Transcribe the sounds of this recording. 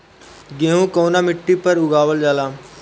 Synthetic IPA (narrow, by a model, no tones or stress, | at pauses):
ɡeːɦũːkoːnaːmɪʈːiːpəɾʊɡaːʋəld͡ʒaːlaː